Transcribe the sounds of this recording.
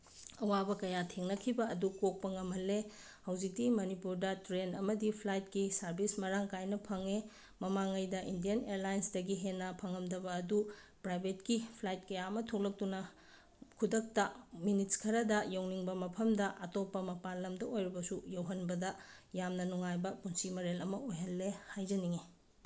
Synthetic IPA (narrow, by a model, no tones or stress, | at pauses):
ɐwabɐkɐjatʰeŋnɐkʰibɐːdukok̚pɐŋɐmɦɐlːe | hɐwzik̚timɐnipuɾdɐtɾenɐmɐdipʰlajt̚kisɐɾbʱismɐɾaŋkajnɐpʰɐŋe | mɐmaŋɐjdɐʔindijɐneɾlajnsdɐɡiɦenːɐpʰɐŋɐmdɐbɐːdupɾajbʱetkipʰlajt̚kɐjaɐmɐtʰok̚lɐk̚tunɐ | kʰudɐk̚tɐminitskʰɐɾɐdɐjowniŋbɐmɐpʰɐmdɐʔɐtopːɐmɐpalːɐmdɐojɾibɐsujɐwɦɐnbɐdɐjamnɐnuŋajbɐpunsimɐɾelɐmɐojɦɐlːehajd͡ʒɐniŋe